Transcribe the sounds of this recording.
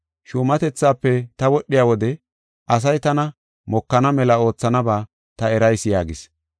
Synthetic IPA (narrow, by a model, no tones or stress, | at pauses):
ʃuːmɐt̪ɛt͡sːaːpːɛt̪ɐwɔɗːɪjaːwɔd̪ɛ | ʔɐs̬ɐjt̪ɐnɐ | mɔkːɐnɐmɛlɐo̞ːt͡sːɐnɐbaː | t̪ɐɛɾɐjsɪjaːɡɪs